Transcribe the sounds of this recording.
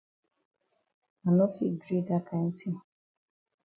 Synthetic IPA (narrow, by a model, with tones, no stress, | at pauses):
a˨no˦fi˦˨ɡɾi˦˨da˦kʰa˦n̩˦ti˦˨